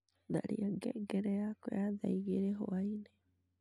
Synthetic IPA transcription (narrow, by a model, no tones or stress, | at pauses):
ða̰ɾiaɡɛ̰ɡɛɾɛjakojaða̰iɣeɾeɦoaine